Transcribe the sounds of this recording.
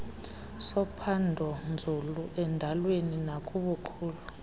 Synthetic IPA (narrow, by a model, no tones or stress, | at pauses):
sɔpʰandʱɔnd͡zʱuluʔɛndʱalweninakʼuɓuǃʰuːlu